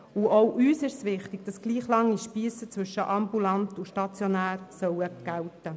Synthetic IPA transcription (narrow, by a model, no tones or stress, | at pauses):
uʔowʔyːsɪʃsʋɪχt̪ɪɡ̚d̥ɑsɡ̥liːχlɑŋːiʃpiːsət͡svʏʃːəʔɑmbulɑnt̪uʃtɑt͡sjonæːɾsœwəɡ̥æwtə